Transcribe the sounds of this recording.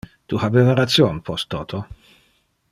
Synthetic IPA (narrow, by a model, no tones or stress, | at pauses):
t̪uhabevaɾat̪sjonpʰɔst̪ːoːt̪ʰo